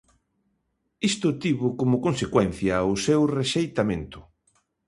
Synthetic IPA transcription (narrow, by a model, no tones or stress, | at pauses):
ist̪ʊt̪iβʊkomʊkonsekwɛn̟θjɐosewreʃejt̪amẽnt̪ʊ̥